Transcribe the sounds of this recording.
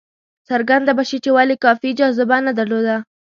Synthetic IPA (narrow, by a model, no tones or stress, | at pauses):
saɾɡand̪abaʃet͡ʃewalikɑfid͡ʒɑzɪbanad̪aɾlod̪a